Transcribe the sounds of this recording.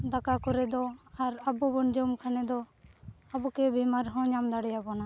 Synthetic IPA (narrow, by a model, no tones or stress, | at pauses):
d̪akakɔɾɛd̪ɔaɾabɔbɔnd͡ʒɔmkʰanɛd̪ɔ | abɔkɛbimaɾɦɔ̃ɲamd̪aɽɛjabɔna